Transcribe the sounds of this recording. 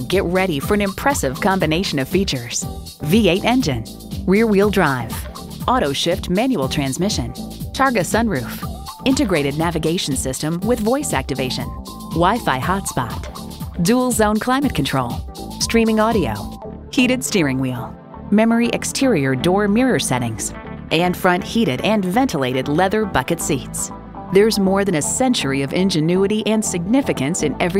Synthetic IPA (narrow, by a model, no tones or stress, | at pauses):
ɡɛʔ̚ɹɛɾifə˞ɨ̃nɨ̃mpʰɹ̥ɛsɨv̥kʰɑ̃mbɨneɪʃɨ̃nʌv̥fit͡ʃə˞z̥ | vieɪɾɛ̃nd͡ʒɨ̃n | wɪɹwilˠdɹaɪv̥ | ʔɔɾoʊʃɪftmæ̃njul̩ˠtʰɹ̥æ̃nzmɪʃɨ̃nt͡ʃʰɑɹɡɨsʌ̃nɹʉf | ɪ̃ntɨɡɹeɪɾɨdⁿnævɨɡeɪʃn̩sɪstɨ̃mwɨðvɔɪsæ̰k̚tɨveɪʃɨ̰̃n | waɪfaɪhɑtspɑ̰t | dul̩ˠzõʊ̃nkʰl̥ãɪ̃mɨt̚kʰɨ̃n̩tʰɹ̥oʊlˠ | stɹ̥ĩmɪ̃ŋɑɾio̰ʊ | hiɾɨd̥stɪɹɪ̃ŋwilˠ | mɛmə˞iʔɨkstʰɪɹiə˞dɔɹmɪɹə˞sɛɾɪ̰̃ŋz̥ | ʔɨ̃nfɹʌ̃nʔ̚hiɾɨɾɨ̃nvɛ̃ntʰəleɪɾɨdˡlɛðə˞bʌkɨtsits | ðə˞zmɔɹðɨ̃nɨsɛ̃nt͡ʃə˞iʌvɪ̃nd͡ʒɨnʉɨɾiʔɨ̃nsɨɡ̚nɪfɨkɨ̃nsɨ̃nɛvɹi